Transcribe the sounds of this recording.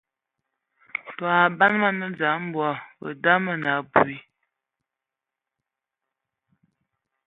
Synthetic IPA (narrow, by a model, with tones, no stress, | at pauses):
tɔ˨a˨ba˦nma˨nə˦d͡za˨˦m̩˦bwɔ˨bə̰˨da˦mə˦˨na˨bu˨i˨